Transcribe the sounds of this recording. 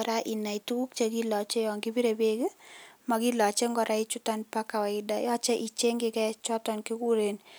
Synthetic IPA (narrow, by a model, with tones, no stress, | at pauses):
ɾa˦ʔi˨na˨i˨tu˦ku˦k̚t͡ʃe˦ki˦lɔ˨t͡ʃe˦jɔ˨ŋɡɪ˦bi˦ɾe˨be˦ke˦ma˨ki˦lɔ˨t͡ʃe˦ŋɡɔ˨ɾʔa˦i˦t͡ʃu˦ta˦npa˦ka˨wɛ˨ɪda˨jɔ˦t͡ʃe˦ʔi˨t͡ʃe˦ŋɡɪ˦kɛ˦t͡ʃɔ˦tɔ˨nki˦ku˦ɾe˨n